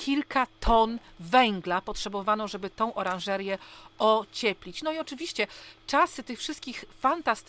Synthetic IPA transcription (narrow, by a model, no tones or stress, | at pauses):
kʲʰilkat̪ʰɔnvɛŋɡlapɔtʂɛbɔvanɔ̃wʐɛbɘt̪ɔ̃w̃ʔɔɾãʐɛɾjɛɔt͡ɕɛpʲlʲit͡ɕnɔiɔt͡ʂɘvʲiɕt͡ɕɛt͡ʂasɘt̪ɘxfʂɘst̪̚kʲixfant̪ast̪